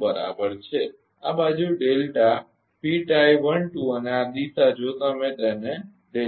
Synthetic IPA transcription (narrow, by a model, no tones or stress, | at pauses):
bəɾa̰bəɾt͡ʃʰe | a̰bad͡ʒuɖelʈa | piʈajʋəɳʈũənead̪isad͡ʒot̪əmẽt̪ɛne | ɖe